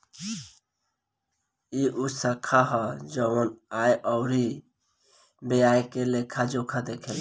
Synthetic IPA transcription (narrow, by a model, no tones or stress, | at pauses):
iʔusəkʰaɦɔd͡ʒəwənajʔɔʊɾi | beajkelekʰad͡ʒokʰad̪ekʰel